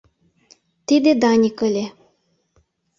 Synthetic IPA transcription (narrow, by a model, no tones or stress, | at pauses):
t̪id̪ed̪ɑnʲikə̆lʲe